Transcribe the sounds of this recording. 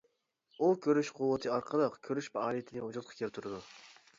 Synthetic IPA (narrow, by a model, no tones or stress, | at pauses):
ukʲʰøɾyʃqʰʊwːət̪ʰɨɑɾqʰəlˠɑqkʲʰøɾyʃpɑɑlˠijet̪ʰɪnɨɦud͡ʒut̪̚qʰɑ̥kʲʰelt̪ʰuɾɨd̪u